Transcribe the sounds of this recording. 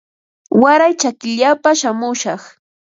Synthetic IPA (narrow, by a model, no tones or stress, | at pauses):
waɾajt͡ʃakɪʎapaʃamʊʃɑχ